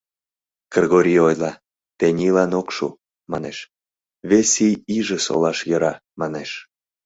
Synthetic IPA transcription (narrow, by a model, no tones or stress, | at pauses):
kreɣoɾʲiojlɑ | t̪enʲilɑnokʃṵ | mɑneʃ | βesijiʒeso̰lɑʃjəɾɑ | mɑneʃ